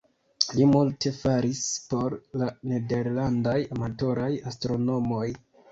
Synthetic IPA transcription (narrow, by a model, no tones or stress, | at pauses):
limulte̞faɾispo̞ɾlane̞de̞ɾlandajamato̞ɾajastɾo̞no̞mo̞j